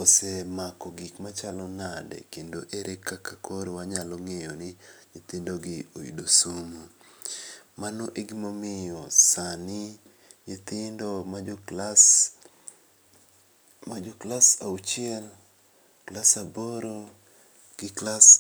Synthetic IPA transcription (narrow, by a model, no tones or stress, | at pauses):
osemakɔɡikmat͡ʃalɔnadɛ̰kendoʔeɾʔekakakoɾewaɲalɔŋejɔnɪɲet̪indoɡɪoḭdosumo | manoʔeɡimomɪjɔsanɪ | ɲet̪ɪndomalas | mad͡ʒoklasaut͡ʃɪɛl | klasaboɾo | ɡ̥ɪklas